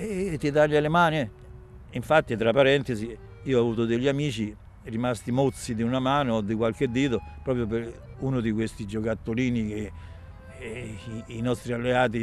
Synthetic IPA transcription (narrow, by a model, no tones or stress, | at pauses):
t̪ːit̪aʎːalemaːni | iɱfat̪ːit̪ɾapːaɾɛnt̪ezi | iːoavuːt̪od̪eʎːamiːt͡ʃi | rimast̪imot̪sːid̪iunamaːnoːd̪ːikwalk̟ed̪ːiːt̪opɾɔːpɾjoper | unod̪ikwest̪id͡ʒokat̪ːoliːnik̟e | inɔst̪ɾialːeaːt̪̬i